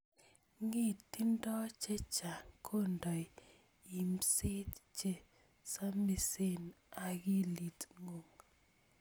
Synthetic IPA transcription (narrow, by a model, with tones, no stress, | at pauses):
ŋi˦tːi˦ndɔ˦t͡ʃe˦t͡ʃa˨kʰo˦ndɔ˨i˨ | i˨msi˦tt͡ʃe˦ | sa˦mi˨se˦n | a˨ɡi˦li˨tŋo˨ŋ